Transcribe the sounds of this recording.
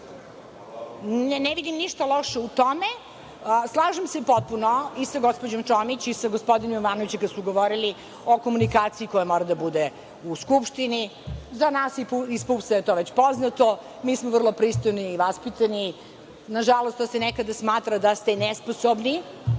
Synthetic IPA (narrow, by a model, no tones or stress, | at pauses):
nnɛʋid̪imniʃt̪aloʃeut̪ome | slˠaːʒemsepot̪̚punoisaɡospod͡ʑo̞mt͡ʃomit͡ɕisaɡospod̪inomʋaːnoʋit͡ɕekad̪suɡoʋoɾili | o̞komunikaːt̪siikojamoɾad̪abud̪e | uskupʃt̪inizanaːsipispupsajet̪oʋet͡ɕpoznat̪o | miːsmovr̩lˠo̞pɾist̪ojniːʋaspit̪ani | naʒalˠost̪osenɛkad̪asmaːt̪ɾad̪ast̪enɛsposobni